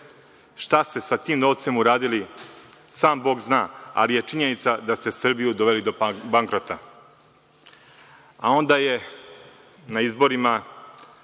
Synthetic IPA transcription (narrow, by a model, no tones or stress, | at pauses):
ʃt̪ast̪e̞sat̪iːmnoʋt̪se̞muɾaːd̪ili | saːmbo̞ːɡznaːa̰lije̞t͡ʂiɲe̞nit̪sad̪ast̪e̞sr̩bijud̪oʋe̞lid̪obaŋkɾot̪a | ao̞nd̪aːje̞ | naizbo̞ɾima